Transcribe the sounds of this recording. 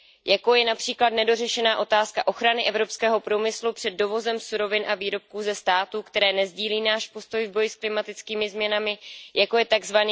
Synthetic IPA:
jakowjɛnapr̝̥iːklad̪nɛdo̞rɛʃɛnaːʔo̞t̪aːskaʔo̞xɾanɪʔɛvɾo̞pskɛːɦo̞pɾuːmɪslupr̝̥ɛd̚ːo̞vo̞zɛmsuɾo̞vɪnʔaviːɾo̞p̚kuːzɛst̪aːt̪uːkt̪ɛɾɛːnɛzɟiːliːnaːʃpo̞st̪o̞jvbo̞jɪsklɪmat̪ɪt͡skiːmɪzmɲɛnamɪjakojɛt̪aɡzvani

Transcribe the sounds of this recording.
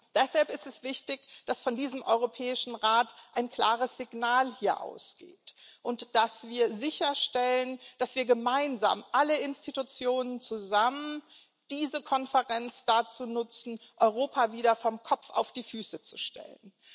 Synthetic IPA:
d̥ɛshalpɪstɛsv̥ɪçtɪçd̥asfɔndiːzəmʔɔʏʁopʰɛːɪʃn̩ʁaːtʔaɪnkl̥aːʁəsz̥ɪɡnaːlhiːɐʔa̰ʊsɡ̥ḛːtʔʊntd̥asv̥iːɐzɪçɐʃtɛlənd̥asv̥iːɐɡəmaɪnza̰ːmʔaləɪnstitut͡sjoːnənt͡suzamən | d̥iːzəkʰɔnfəʁɛnt͡sd̥at͡suːnʊt͡sn̩ʔɔʏʁ̞oːpʰaviːdɐfɔmkʰɔp͡fa̰ʊfd̥iːfyːsət͡su̥ʃtʰɛ̰lən

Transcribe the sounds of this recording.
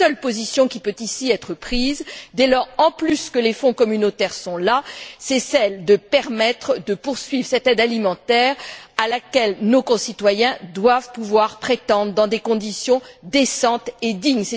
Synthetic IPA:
œlpozisjɔ̃kʲipøt̪isiɛt̪χəpχizd̪ɛlɔʁɑ̃plyskəlefɔ̃kɔmynot̪ɛʁsɔ̃lasɛsɛld̪əpɛʁmɛt̪χd̪əpuʁsɥivʁsɛt̪ɛd̪alimɑ̃t̪ɛʁalakʲɛlnokɔ̃sit̪wajɛ̃d̪wavpuvwaʁpχet̪ɑ̃d̪ʁəd̪ɑ̃d̪ekɔ̃d̪isjɔ̃d̪esɑ̃t̪ed̪iɲsɛ

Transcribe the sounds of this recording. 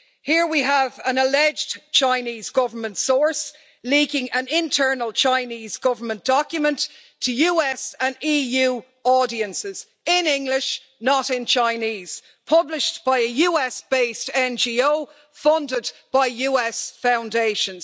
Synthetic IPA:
hiɹwiəvə̃nəlɛd͡ʒdt͡ʃʰãɪ̃niːzɡʊvə˞mə̃ntsɔɹs | likɪ̃ŋə̃nɪ̃ntʰɜ˞nəlˠt͡ʃʰãɪniːzɡʊvə˞mə̃nd̥ɔkjəmə̃nttʰəjʉːɛsə̃niːjʉː | ɔːɾiə̃nsɪz̥ | ɪ̃nɪ̃ŋɡlɪʃ | nəɾɪ̃nt͡ʃʰãɪ̃niːz̥ | pʰʌblɪʃb̥aɪəjʉːɛsb̥eɪstɛ̃nd͡ʒiːoʊ | fʌ̃ndɪdb̥aɪjʉːɛsfãʊ̃ndeɪʃə̃nz̥

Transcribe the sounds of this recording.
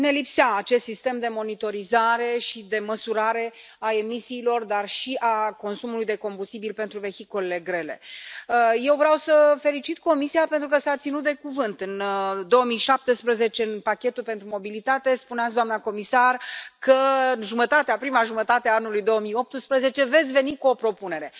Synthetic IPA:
ne̞lipseaːt͡ʃe̞st̪sist̪e̞md̪e̞mo̞nit̪o̞ɾizaɾe̞ʃid̪e̞məsuɾaɾe̞ | ae̞misiːlo̞rd̪arʃiʔako̞nsumulujd̪e̞ko̞mbust̪ibilpe̞nt̪ɾuve̞çikole̞le̞ɡɾe̞le̞̰əje̞wvɾeawsəfe̞lit͡ʃit̪ko̞misiape̞nt̪ɾukəsat̪sinut̪̚d̪e̞kuvɨnt̪ɨnd̪o̞əmijʃap̚t̪espɾəze̞t͡ʃe̞ɨnpakʲe̞t̪ulpe̞nt̪ɾumo̞bilit̪at̪e̞spuneat̪s̬d̪oamnako̞misarkəɨnʒumət̪at̪eapɾimaʒumət̪at̪eaanulujd̪o̞oəmijo̞p̚t̪ɨspɾəze̞t͡ʃe̞ve̞t̪sʲve̞nikuo̞pɾo̞pune̞ɾe̞

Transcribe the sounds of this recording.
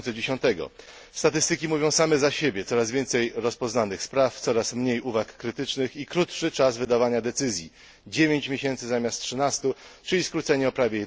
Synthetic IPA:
sɛd͡ʑeɕɔ̃nt̪ɛɡɔ̰ | st̪at̪ɘst̪ɘkʲimuvʲjɔ̃w̃samɛzaɕebʲjɛt̪sɔɾazvʲjɛnt̪sɛjɾɔspɔznanɘxspɾaft̪sɔɾasmɲejuvakːɾɘt̪ɘt͡ʂnɘxikɾut̪ʂɘt͡ʂazvɘd̪avaɲad̪ɛt̪sɘzʲji | d͡ʑevʲjeɲt͡ɕmʲjeɕɛnt̪sɘzamʲast̪ʂɘnast̪ut͡ʂɘlʲiskɾut̪sɛɲɛɔpɾavʲjejɛ

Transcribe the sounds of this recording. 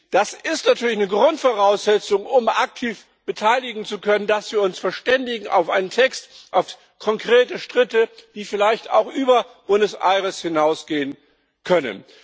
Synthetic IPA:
d̥asɪstnatʰyːɐlɪçnəɡʁʊntfoʁaʊsz̥ɛt͡sʊŋʊmʔak̚tʰiːf | b̥ətʰaɪlɪɡŋ̩t͡sukʰœnəndasv̥iːɐʊnsfɛɐʃtɛndɪɡŋ̩ʔa̰ʊfʔaɪnəntʰɛkstʔaʊf | kʰɔŋkʁ̥eːtəʃtʁ̥ɪtəd̥iːfɪlaɪçta̰ʊxʔyːbɐb̥ʊndəsʔa̰ɪʁəshɪnaʊsɡ̥eːən | kʰœnə̰n

